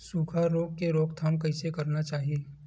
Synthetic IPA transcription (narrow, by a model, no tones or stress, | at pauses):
suːkʰaɾoːɡ̚keɾoːkt̪ʰaːmkɐɪsekɐɾnat͡ʃaːɦieː